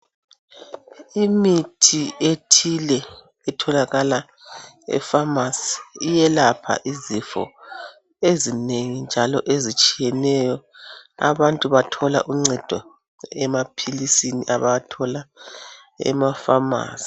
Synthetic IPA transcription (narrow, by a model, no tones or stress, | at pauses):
imitʰietʰilɛ | ɛtʰɔlaɣala | ɛ̰famasi̥ijɛlapʰa̰ʔizifɔ̰ | ezineŋind͡ʒʱalɔʔezit͡ʃʼijɛnɛjɔa̰βantʼuβatʰɔla̰ʔuŋ͡ǀɛd̥ʱɔ | ɛmapʰilisiniʔaβajatʰɔla | ɛ̰mafama̰ːsi̥